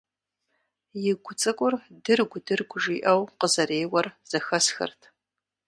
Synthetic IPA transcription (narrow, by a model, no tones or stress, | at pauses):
jɪɡʷʊt͡sʼɨkʷʼʊrdɨrɡʷʊdɨrɡʷʊʐiːʔɐwqəzɐɾeːwɐrz̥ɐxɐsxɐ̰rtʰ